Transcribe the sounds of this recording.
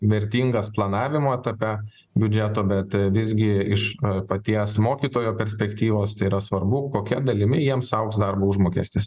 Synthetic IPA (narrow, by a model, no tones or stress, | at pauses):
ʋʲɛɾʲt̪ʲiːŋɡɐsplˠɐnɑːʋʲɪmoːɛt̪ɐpʲɛ | bʲʊd͡ʒʲæt̪oːbʲɛt̪ʋʲɪzʲɡʲɪɪʃpɐt̪ʲiɛsmoːkʲiːt̪oːjoːpʲɛɾʲsʲpʲɛkt̪ʲiːʋoːst̪ɐɪiɾɐsʋɐrbʊkoːkʲɛd̪ɐlʲɪmʲɪjiɛmsɐʊksd̪ɐrboːʊʒmoːkʲiɛsʲt̪ʲɪs